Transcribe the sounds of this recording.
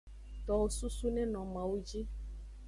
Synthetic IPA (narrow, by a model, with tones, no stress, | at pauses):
t̪ɔ˨wo˦su˦su˦nɛ̃˦nɔ̃˨mã˨wu˦d͡ʒi˦